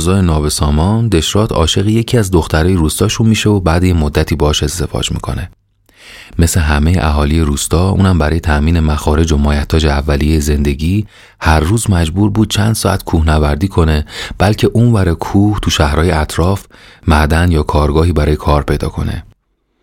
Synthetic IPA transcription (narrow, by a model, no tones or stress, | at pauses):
zɒːjenɒːbe̞sɒːmɒnd̪e̞ʃɾɒːd̪ɒ̰ːʃe̞ɣije̞cʰiːæzd̪o̞xt̪æɾɒːjeɾuːst̪ɒːʃunmiːʃeobæːd̪ejemo̞d̪ːæt̪ʰiːbɒɒːʃe̞ze̞vɒ̰d͡ʒmḭːkʰo̞̰ne̞ | me̞sleɦæme̞jḛʔæɦɒːlijeɾuːst̪ɒːʔṵːnæmbæɾɒːjet̪ʰæʔmiːne̞mæxɒːɾe̞d͡ʒo̞mɒːjæt̪ʰːɒːd͡ʒeævːælijejeze̞nd̪e̞ɟiː | hæɾːuːzmæd͡ʒbuːɾbuːd̪̥̚t͡ʃʰænd̪̥sɒːæ̰t̪kʰuːhnævæɾd̪iːkʰo̞ne̞b̥ælcʰe̞ʔuːnvæɾekʰuːht̪ʰuʃæhɾɒːjeæt̪ʰɾɒːfmæd̪ænjɒːkʰɒːɾɡɒːɦiːbæɾɒːje̞kʰɒːɾpʰe̞jd̪ɒ̰ːkʰo̞ne̞̰